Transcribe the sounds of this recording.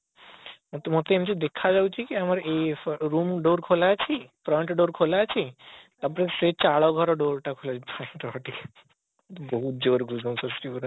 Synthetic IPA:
ot̪mot̪eemit͡ʃed̪ekʰːad͡ʑawt͡ʃʰikiamaɾeɾumɖoɾkʰolat͡ɕʰifɾɔjɳʈɖoɾkʰolaat͡ɕʰit̪aɾp̬ɔɾesɾet͡ɕaɭɔɡʱɔɾɔɖoɾʈakʰolapʰaeʈɔaʈʰik̪ | boɦut̪̚d͡ʑoɾɡʱud͡ʑomsɔsʈiuɾ

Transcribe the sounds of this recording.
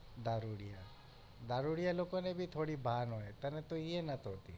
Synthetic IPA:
d̪aɾuɽija | d̪aɾuɽijalokonebʱit̪ʰoɽibʱanɦɔet̪ənet̪oienat̪ɦot̪ḭ

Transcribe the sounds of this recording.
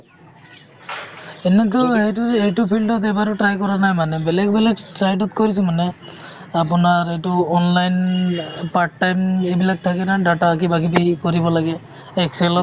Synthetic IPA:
ɛnɛk̬ɔejtuejtʊpʰildɔt̬ɛbaɹʊtɹajkɔɹanajmanɛbɛlɛɡ̚bɛlɛktɹajtɔtkoɹisʊmanɛ | apʊnaɹejtʊɔnlajnpaɹʈːajmejbilak̚tʰakɛnadataːkibakibikoɹibɔlaɡɛ | ɛksɛlɔ

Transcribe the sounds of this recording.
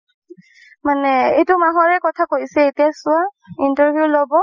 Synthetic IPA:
manɛejtʊmaɦɔɹɛkɔtʰakoisɛetijasʊaintɔɹbʱjulobɔ

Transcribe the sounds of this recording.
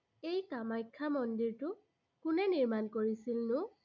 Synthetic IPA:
ejkamajkʰːamɔndiɹtʊ | kʊnɛniɹmankoɹisilnʊ

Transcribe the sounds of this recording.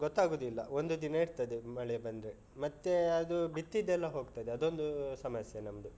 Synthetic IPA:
ɡɔt̪ːaːɡoːd̪ilːɐ̰o̞nd̪ud̪inɐiɾt̪ɐd̪emɐɭɛbɐnd̪ɾe | mɐt̪ːeɐd̪ubit̪ːid̪ɛlːɐɦo̞ːɡt̪ɐd̪eɐd̪o̞nd̪usɐmɐsjɐnɐmɐd̪u

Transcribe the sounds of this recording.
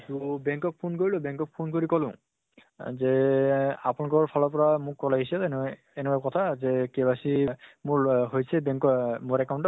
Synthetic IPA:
tubɛŋkɔk̚pʰonkoɹilʊ̃bɛ̃ŋkɔk̚pʰonkoɹikɔlʊ̰̃ | zɛ | apunakɔɹpʰalɔpɔɹamʊkːɔlaɦisɛɛn | ɛnɛbakɔtʰazɛkɛbasimʊɹɦojsɛbɛŋkɔmʊɹɛkawntɔ

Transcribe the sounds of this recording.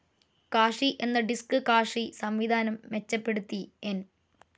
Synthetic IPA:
kaːʂiʔe̞nːɐɖiskɨkaːʂisɐmʋid̪ʱaːnɐmːe̞t͡ɕːɐpːe̞ɽut̪ːien

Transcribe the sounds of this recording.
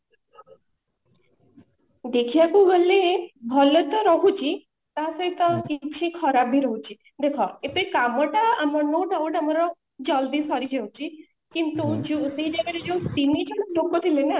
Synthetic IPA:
d̪ekʰijakuɡɔlebʱɔlɔt̪ɔɾɔɦut͡ʃʰi | t̪asɔɦit̪ɔkit͡ʃʰĩkʰɔɾabʱiɾɔɦut͡ʃʰi | d̪ekʰɔep̪ikamɔʈaamɔnoɖauɖamɔɾɔ | d͡ʒɔld̪isɔɾid͡ʒeũt͡ʃʰi | kint̪ud͡ʒeseɦid͡ʒaɡaɾed͡ʒeũt̪inid͡ʒeʈokːɔt̪ʰilena

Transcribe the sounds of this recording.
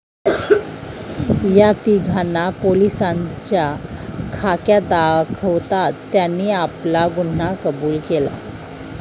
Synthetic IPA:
jat̪iɡʱanːapolisaɲt͡ɕjakʰakjad̪akʰəʋt̪at͡st̪janːiːaplaɡuɳ̤nakəbuːlkela̰

